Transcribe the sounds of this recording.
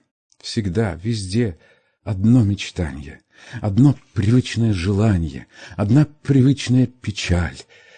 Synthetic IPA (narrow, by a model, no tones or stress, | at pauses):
fsʲɪɡd̪avʲɪzʲdʲe̞ | ɐd̪nomʲɪt͡ɕt̪a̰nʲɪ̰jə̰ | ɐd̪no̞pɾʲɪvɨt͡ɕnəjəʐɨlˠanʲɪjə̰ɐd̪napɾʲɪvɨt͡ɕnəjəpʲɪt͡ɕalʲ